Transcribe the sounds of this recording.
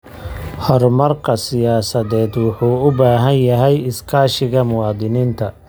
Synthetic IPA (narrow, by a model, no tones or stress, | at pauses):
hɔrmɐrkʰɐsɪjaːsɐðɛːd̪wɑħuːʊbaːɦɐnjɐɦɛjɪskʰaːʃɪɣɐmʊwɑːd̪ɪniːnt̪ʰɐ